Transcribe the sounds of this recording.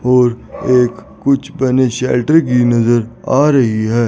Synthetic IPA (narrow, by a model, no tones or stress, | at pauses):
ɔːɾeːk | kːʊt͡ʃʰbɐneʃɛːlʈəɾk̬inɐzəɾa̰ːɾɐɦiɦɛː